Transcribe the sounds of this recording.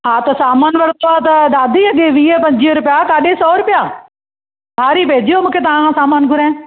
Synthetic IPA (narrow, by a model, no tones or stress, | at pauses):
ɦãːt̪ɐsaːmaːnʋɐɽt̪oːaːt̪ɐɗ̪aːd̪iːɐɡeːʋiːpə̃ɲd͡ʒiːɾʊpjaːkaːɗeːsɔːɾʊpɪjaː | bʱaːɾiːpeːd͡ʒiːoːmʊ̃ːkʰeːt̪ɐããːsaːmaːnɡʱʊɾɛ̃ː